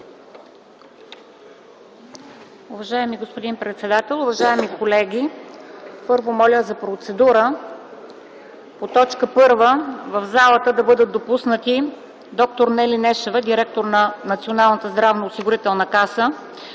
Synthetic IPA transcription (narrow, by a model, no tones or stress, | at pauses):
ʊvɐʒaɛmiɡospod̪inpɾɛt̪sɛd̪at̪ɛlˠʊvɐʒaɛmikolɛɡʲi | pɤɾvomɔlʲəzɐpɾot̪sɛd̪uɾə | pot̪ɔt͡ʃkəpɤɾvəvəvzalˠət̪əd̪ɐbɤd̪ət̪̚d̪opusnət̪i | d̪ɔk̚t̪oɾnɛlinɛʃɛvəd̪iɾɛk̚t̪oɾnɐnɐt̪sionalˠnət̪əzd̪ɾavnoːsiɡʊɾit̪ɛlˠnəkasə